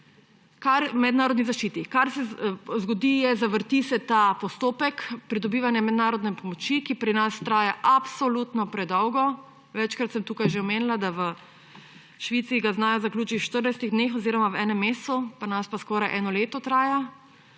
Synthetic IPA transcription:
kaɾmɛd̪naːɾɔd̪nizaʃt͡ʃiːt̪ikaɾsɛzɡɔd̪ijɛzaʋəɾt̪isɛt̪aːpɔst̪oːpɛkpɾid̪ɔbiːʋanjɛmɛd̪naːɾɔd̪nɛpɔmɔt͡ʃikipɾinast̪ɾaːjaʔapsolut̪nɔpɾɛd̪ɔwɡɔ | ʋɛt͡ʃkɾat̪sɛmt̪uːkajʒeɔmeːnilad̪aʋə | ʃʋiːt̪siːɡaznaːjɔzaklʲuːt͡ʃiʃt̪əɾnajst̪iɣd̪neːxɔziːɾɔmawɛːnɛmːeːst̪upaɾnaspaskɔːɾajʔɛːnɔleːt̪ɔt̪ɾaːja

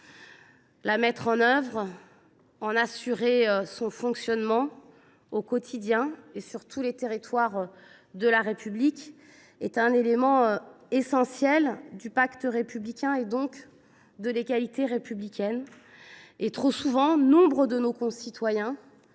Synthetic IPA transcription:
lamɛt̪χɑ̃nœvʁ | ɑ̃nasyʁeøsɔ̃fɔ̃ksjɔnmɑ̃ | okɔt̪ʰid̪jɛ̃esyʁt̪ʰulet̪eʁit̪waʁ | d̪əlaʁepyblik | ɛt̪ɛ̃nelemɑ̃ø | esɑ̃sjɛld̪ypakt̪əʁepyblikʲɛ̃ed̪ɔ̃k | d̪əleɡʲalit̪eʁepyblikʲʰɛn | et̪χosuvɑ̃nɔ̃bʁəd̪ənokɔ̃sit̪wajɛ̃

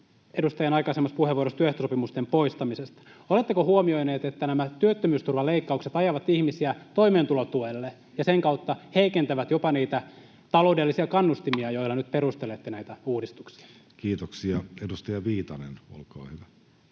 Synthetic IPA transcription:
edust̪ɑjɑnɑjkɑisemːɑspuheʋuoɾost̪yøeht̪osopimust̪empo̞ist̪ɑmisest̪ɑ̥olet̪ːekohuomio̞jneːt̪et̪ːænæmæt̪yøt̪ːømyːst̪urʋɑleikːɑukset̪ɑjɑʋɑt̪ihmisiæt̪o̞imeːnt̪ulot̪uelːe | jɑseŋkɑut̪ːɑheikent̪æʋæt̪jopɑniːt̪æ | t̪ɑlo̞udelːisiɑkɑnːust̪imiɑjo̞ilːɑnyt̪̚perust̪elet̪ːenæit̪æuːdist̪u̥ksi̥ɑ̥ | kiːt̪oksiɑedust̪ɑjɑʋiːt̪ɑneno̰lkɑ̰ːhyʋæ

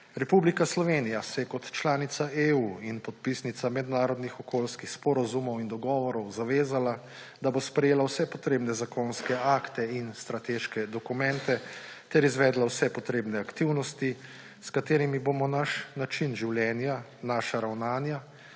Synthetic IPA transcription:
ɾɛpublikaslɔʋeːnijasɛjɛkɔt̪t͡ʃlaːnit̪saeuːinpɔt̪̚pisnit̪samɛd̪naːɾɔd̪nixɔkoːlskixspɔɾazumɔwind̪ɔɡɔːʋɔɾɔwzaʋeːzala | d̪abospɾɛjeːlawsɛpɔt̪ɾeːbnɛzakonskɛaːkt̪ɛinst̪ɾat̪eʃkɛd̪ɔkumɛnt̪ɛt̪ɛɾizʋɛːd̪lawsɛpɔt̪ɾeːbnɛakt̪iwnɔst̪i | skat̪eːɾimibomɔnaʃnat͡ʃinʒiwljɛːnjanaːʃaɾawnaːnja

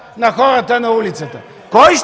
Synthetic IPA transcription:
nɐxɔɾɐt̪ənɐulit̪sət̪ə | kɔjʃ

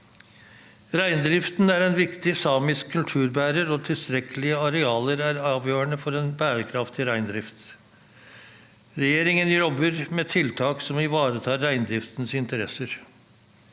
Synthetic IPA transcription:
ɾæɪnd̪ɾɪft̪n̩æɾɛnʋɪkt̪ɪsɑːmɪskʰːʉlt̪ʰʉːɾbæːɾəɾoːt̪ʰɪlst̪ɾɛkəlɪəɑɾɛɑːləɾæɾɑːʋjøːəɳəfɔɾeːnbæːɾəkʰɾɑft̪ɪɾæɪnd̪ɾɪft̪ | ɾɛjeːɾɪŋənjɔbəɾmeːt̪ʰɪlt̪ʰɑːksɔmɪʋɑːɾət̪ʰɑːɾːæɪnd̪ɾɪft̪nsɪnt̪əɾɛsəɾ

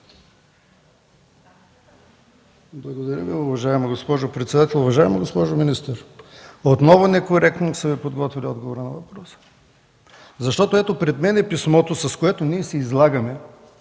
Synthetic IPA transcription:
blˠɐɡod̪ɐɾʲəviʊvɐʒaɛmɐɡospɔʒopɾɛt̪sɛd̪at̪ɛlˠʊvɐʒaɛmɐɡospɔʒʊminist̪əɾot̪nɔvʊnɛkoɾɛkt̪nosɐvɛpod̪ɡɔt̪viliɔd̪ɡovoɾənɐvɐpɾɔsə̥ | zɐʃt̪ɔt̪oɛt̪opɾɛd̪mɛnɛpismɔt̪osɐskoɛt̪oniɛsɛizlˠaɡɐmɛ

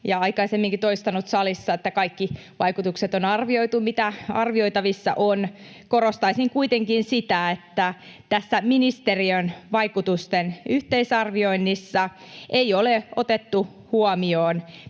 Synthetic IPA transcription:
jɑɑikɑisemːiŋkit̪oist̪ɑnut̪sɑlisːɑet̪ːækɑikːi | ʋɑikut̪ukset̪onɑrʋioit̪umit̪æɑ̰rʋio̞it̪ɑʋisːɑ̰ʔon | korost̪ɑisiŋkuit̪eŋkinsit̪æet̪ːæt̪æsːæminist̪eriønʋɑikut̪ust̪enyht̪eisɑrʋio̞inːisːɑ | ʔeioleot̪et̪ːu | huɑmioːn

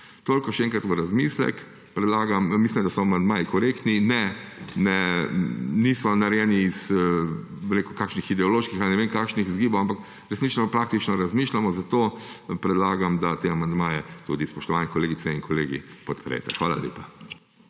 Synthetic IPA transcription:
t̪oːlkɔʃɛɛ̃ŋkɾat̪ʋəɾazmiːslɛ̰k | pɾɛd̪laːɡammislimd̪asɔamand̪maːjikɔɾekt̪ninɛnɛ | nisɔnaɾjɛniːs | bəɾeːkukakʃnixid̪ɛɔloːʃkixalinɛʋeːmkakʃnixzɡiːbowampak | ɾɛsniːt͡ʃnɔpɾaːkt̪it͡ʃnɔɾazmiʃlamɔzat̪opɾɛd̪laːɡamd̪at̪eamand̪maːjɛt̪ṵd̪ispɔʃt̪ɔʋanikɔleːɡit̪sɛiŋkʰɔleːɡḭpɔt̪pɾɛ̰jt̪ɛ̰xʋaːla̰ljḛːpa

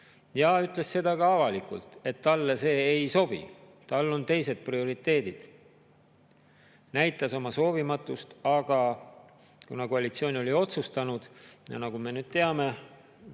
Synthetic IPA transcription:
jɑyt̪ˑle̞sːe̞d̪̥ɑkɑɑvɑlikṵlt̪e̞t̪ːɑlːese̞ːejso̞b̥ḭ | t̪ɑlːo̞nt̪e̞jse̞d̪̥̚prio̞ɾit̪ːˑe̞ːd̪̥id̪̥ | næjt̪ːˑɑso̞mɑso̞ːvimɑt̪ːˑust̪ɑɡ̥ɑ | kunɑkoɑlʲit̪sio̞ːnʲio̞lio̞t̪sust̪ɑnud̪̥jɑ̰nɑɡ̥ume̞nyːd̪̥̚t̪e̞ɑme̞

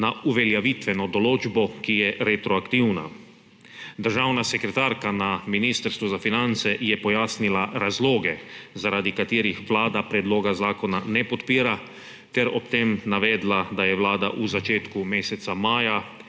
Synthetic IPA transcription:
nauʋɛljaʋit̪ʋɛnɔd̪ɔloːd͡ʒbɔkijɛɾɛt̪ɾɔakt̪iwna̰ | d̪əɾʒawnasɛkɾɛt̪aːɾkanaminiːst̪əɾst̪ʋuzafinant̪sɛjɛpɔjaːsnilaɾazloːɡɛzaɾaːd̪ikat̪iːɾixʋlaːd̪apɾɛd̪loːɡazaːkonanɛpɔt̪piːɾa | t̪ɛɾɔpt̪emnaʋɛːd̪lad̪ajɛʋlaːd̪aʔuzat͡ʃeːt̪kumeːsɛt̪samaːja

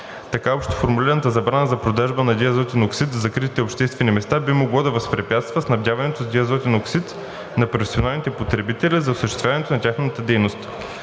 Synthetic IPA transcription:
t̪ɐkaɔpʃt̪o̥foɾmuliɾənɐt̪əzɐbɾanəzɐpɾod̪aʒbənɐd̪ʲiɐzɔt̪ʲinoksit̪zɐkɾit̪it̪ɛopʃt̪ɛst̪vɛnimɛst̪abimoɡlˠɔd̪ɐvɐspɾɛpʲjat̪st̪vəsnɐvdʲjavɐnɛt̪ozd̪ʲiɐzɔt̪inoksit̪ | nɐpɾofɛ̥sionalˠnit̪ɛpot̪ɾɛbit̪ɛlʲizɐosəʃt̪ɛ̥st̪vʲavɐnɛt̪onɐtʲaxnət̪əd̪ɛjnost̪

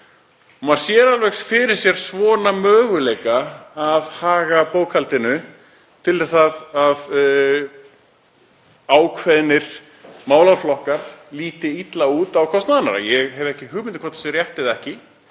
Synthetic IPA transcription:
ɔmaðsjɛɾalvɛxsfɪɾɪɾ̥sjɛɾ̥svɔːnamœːɣʏlejkaːðhaːɣapoːwkʰalt̪ɪnʏ | t̪ʰɪlɛθaðað | aːwkʰvɛðnɪɾ̥ | maːwlaflɔhkaɾ̥liːt̪ɪit̪lauːt̪awkʰɔst̪naðana̰ɾa̰jɛɣɦɛvɛhcɪɦʏɣmɪnt̪ɪkʰvɔɾt̪sjɛɾrjɛht̪ɪðɛhcɪ

